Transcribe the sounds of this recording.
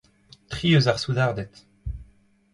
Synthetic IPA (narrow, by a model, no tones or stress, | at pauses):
t̪χiøzaʁsud̪aʁd̪ɛt̪